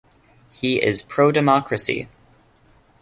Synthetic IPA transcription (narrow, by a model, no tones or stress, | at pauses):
hiʔɪ̰z̥pʰɹ̥oʊdɨmɑkɹɨsḭ